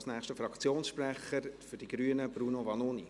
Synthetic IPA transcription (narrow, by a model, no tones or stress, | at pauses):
snæːχʃtəfɾɑkt͡sjoːnsʃpɾæχəɾfʏɾd̥iɡɾyːənəb̥ɾuːnovɑnoːni